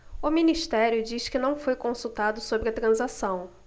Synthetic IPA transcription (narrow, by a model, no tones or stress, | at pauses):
ʊminiʃt̪ɛɾjʊd͡ʒiskɪnɐ̃w̃fojkõsut̪ad̪ʊsobɾɪɐt̪ɾɐ̃zasɐ̃w̃